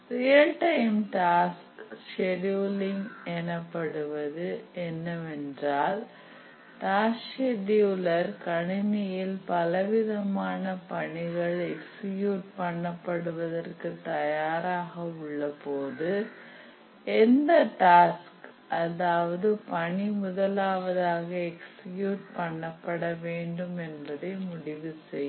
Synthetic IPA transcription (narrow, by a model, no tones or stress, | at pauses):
rɪjɐlʈɐɪmʈaːskʂɛɖjuːlɪŋɛnɐpːɐɽɯʋɐðɯɛnːɐɛndraːl | ʈaːsʂeɖjuːlɐɾkɐɳɪnɪjɪlpɐlɐʋɪðɐmaːnɐpɐɳɪɣɐɭɛkskjuːʈ̚pɐɳːɐpːɐɽɯʋɐðɐrkɯt̪ɐjaːɾaːɣɐʊɭːɐpoːðɯ | ɛnd̪ɐʈaːsk | ʔɐðaːʋɐðɯpɐɳimʊðɐlaːʋɐðaːɣɐɛkskjuːʈ̚pɐɳːɐpːɐɽɐʋeːɳɖɯmɛnbɐðɐɪmʊɽɪʋɯsɛj